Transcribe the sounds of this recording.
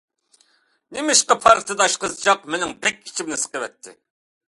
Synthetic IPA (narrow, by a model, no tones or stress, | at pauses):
nɪmɪʃqɑpʰɑɾχt̪ʰɨd̪ɑʃqəzɨt͡ʃɑqmenɪŋbɛkʲi̥t͡ʃʰimnɪsə̥qəwɛt̪ʰːɪ̰